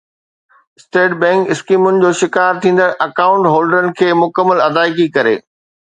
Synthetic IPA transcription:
sʈeːʈ̚bɛ̃ːŋkɪskiːmʊnɪ̆d͡ʑoːʃɪkaːɾt̪ʰĩːn̆d̪əɾʔɐkaːʊ̃ɳʈɦoːlɖəɾənɪ̆kʰeːmʊkəmːəlɐd̪aːɪkikɐɾḛː

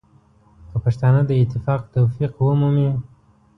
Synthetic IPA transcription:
kəpaʃt̪ɑnəd̪əɪt̪ːɪfɑq̚t̪awfiqwəmumi

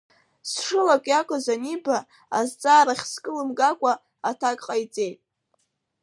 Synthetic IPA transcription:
sʂɨlakʷʼjakʷʼazaniba | azt͡sʼaːɾaχʲskʼɨlɨmɡʼakʷʼa | atʰakʼqʼajt͡sʼe̞jtʼ

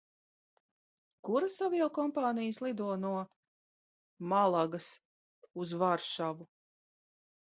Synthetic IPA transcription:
kuɾasaviɔwkɔmpaːnijəslˠid̪uɔnuɔ | malˠaɡɐs | uzvaɾʃavu

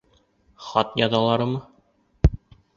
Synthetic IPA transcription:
χɑt̪jɑðɑlˠɑɾɤmɤ

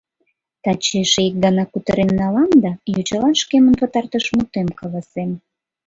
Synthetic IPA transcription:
t̪ɑt͡ɕeʃeik̚ɡɑnɑkut̪əɾenːɑlɑnd̪ɑjot͡ɕɑlɑnʃkemənpə̆t̪ɑrt̪əʃmut̪emkɑlɑsem

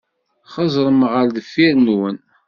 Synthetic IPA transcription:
χɑzˤɾˤəmʁəɾðəfːiɾnwən

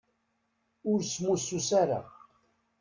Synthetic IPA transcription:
ʊɾsmususaɾa̰

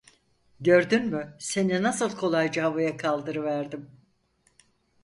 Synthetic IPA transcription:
ɟø̞ɾd̪ynmyse̞ninasɯlˠkʰo̞lˠajd͡ʒaɦavajakʰalˠd̪ɯɾɯvæɾd̪im

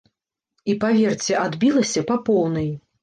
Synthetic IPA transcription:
ipavʲɛrt͡sʲɛʔad̪bʲilˠɐsʲɐpapɔwnɐj

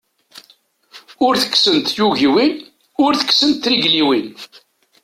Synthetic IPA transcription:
ʊɾθə̥kːsənt̪juʝiwin | ʊɾθə̥kːsənt̪ɾiʝliwin

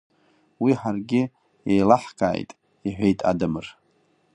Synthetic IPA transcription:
wiħarɡʲɪ | ejlaħkʰʼa̰ːjtʼ | iħʷejtʼa̰dɨmɨr

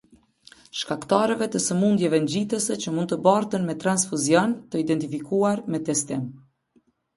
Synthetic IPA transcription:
ʃkakt̪aɾɛvɛt̪əsəmund̪jɛvɛnd͡ʑit̪əsət͡ɕəmund̪t̪əbaɾt̪ənmɛt̪ɾansfuzjɔnt̪əid̪ɛnt̪ifikuaɾmɛt̪ɛst̪im

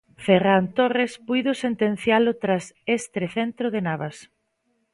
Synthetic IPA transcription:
ferant̪orespujðʊsent̪en̟θjalʊt̪ɾasest̪ɾeθent̪ɾoðenaβas

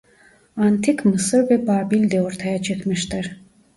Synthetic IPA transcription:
ant̪ʰikmɯsɯɾvɛbaːbilʲd̪ɛɔɾt̪ʰajat͡ʃʰɯkmiʃt̪ɯɾ

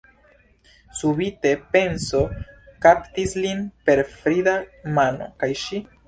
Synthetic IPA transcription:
subite̞pe̞nso̞kaptislinpe̞ɾfɾidamano̞̰kajʃi

